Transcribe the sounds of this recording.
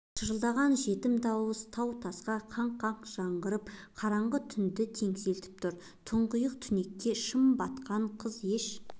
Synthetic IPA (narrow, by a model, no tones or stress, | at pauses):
ʃʰəʒəlˠd̪ɑʁɑnʒe̞t̪ɪmd̪ɑwəzt̪ʰɑwt̪ʰɑsqɑqʰɑɴqʰɑɴqʒ̥ɑɴʁəɾəpqʰɑɾɑɴʁət̪ʰʏnd̪ɪt̪ʰe̞ŋse̞lt̪ɪ̥p̚t̪ʰʊɾ | t̪ʰʊɴqʊjəq̚t̪ʰʏne̞kʲːe̞ʃəmbɑt̪qɑɴqʰəze̞ʃ